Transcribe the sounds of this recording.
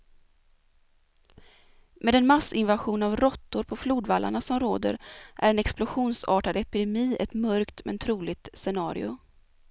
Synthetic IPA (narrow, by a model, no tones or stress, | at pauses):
mʔeːd̪ɛnmasɪnvaɧuːnavɾɔt̪ːʊɾpʰɔfluːd̪valːʔa̰ɳasɔmɾoːd̪ə̰ɾʔæ̰ɾɛnɛksplʊɧuːnsɑːʈad̪ɛpɪd̪ɛmiːʔɛt̪mœɾkt̪mɛ̰nt̪ʰɾuːlɪt̪sɛnɑːɾɪ̰ʊ